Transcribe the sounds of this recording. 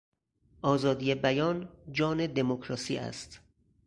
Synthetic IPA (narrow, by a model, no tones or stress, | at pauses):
ʔɒːzɒːd̪ijebæjɒːnd͡ʒɒːne̞d̪emokʰɾɒːsḭːʔæ̰st̪